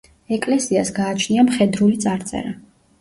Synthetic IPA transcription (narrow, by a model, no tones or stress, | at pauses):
ɛkʼlɛsiasɡaːt͡ʃʰniamχɛd̪ɾulit̪sʼaɾt̪sʼɛ̰ɾa